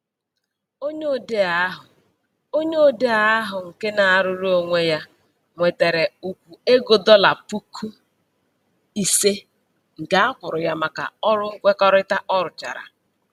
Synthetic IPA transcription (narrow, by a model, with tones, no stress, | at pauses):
o˦ɲo˦˨de˦a˨˦ɦʊ˨ | o˦ɲe˦˨de˦a˦ɦʊ˨ŋ̩˨ke˦na˨a˨ɾʊ˦ɾu˦o˨ŋʷe˦ja˦ | ŋʷe˨te˨ɾe˨u˨kʷu˨e˦ɡo˨dɔ˦la˨pu˦kʰu˦ | i˨se˦ | ŋ̩˨ɡa˦a˦kʷʊ˨ɾʊ˨ja˦ma˨ka̰˨ɔ˦ɾʊ˦ŋ̩˦kʷe˦kɔ˦ɾɪ˦ta˦ʔɔ˦ɾʊ˨t͡ʃa̰˨ɾa̰˨